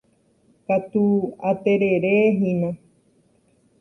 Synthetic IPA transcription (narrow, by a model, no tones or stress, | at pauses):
kat̪uat̪e̞ɾe̞ɾeɦĩnã